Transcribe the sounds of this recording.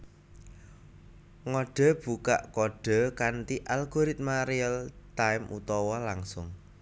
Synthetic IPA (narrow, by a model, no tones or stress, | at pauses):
ŋɔɖ̥ɔ̤b̥ṳka̰ʔkɔɖ̥ɔ̤kant̪iʔalɡ̥ɔɾɪt̪̚maɾiɛlt̪aɪmṵt̪ɔwɔlaŋsʊŋ